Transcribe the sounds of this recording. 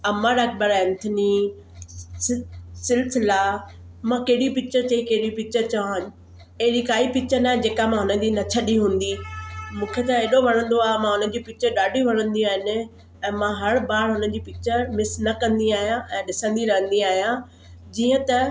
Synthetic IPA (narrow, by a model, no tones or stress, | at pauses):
ɐməɾɐk̚ʰbəɾɛɪnt̪ʰɪni | sɪlsɪla | mãkeɦɪɽipɪt͡ɕəɾt͡ɕɐikɐɦɪɽipɪt͡ɕəɾt͡ɕɐʋan | eɦɪɾikaːipɪt͡ɕənaːɦɪ̃d͡ʑeːkamãɦʊnəd͡ʑiːnɐt͡ɕʰɐɗiɦũːn̆d̪imũːkʰet̪ɐeːɗoʋɐɽ̤̃ə̃n̆d̪oaːɦemãɦʊnən̆d͡ʑiːpɪt͡ɕəɾɗaːɖʱiʋɐɽ̃ə̃nd̪iaːɦɪnɪ̆ | ɛ̃ːmãɦɐɽbaːɽɦʊnən̆d͡ʑiːpɪt͡ɕəɾmɪsnɐkɐ̃nd̪iaːɦijãʔɛ̃ːɗɪsə̃nd̪iɾɐɦə̃n̆d̪iaːɦijã | d͡ʑiːə̃t̪ɐ